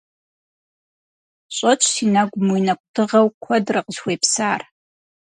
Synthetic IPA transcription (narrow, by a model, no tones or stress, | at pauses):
ɕʷʼat͡ʃʷʰsinaɡʷmujnakʷʼtʰɨʁawkʷʰadraqʼzwejpʰsaːr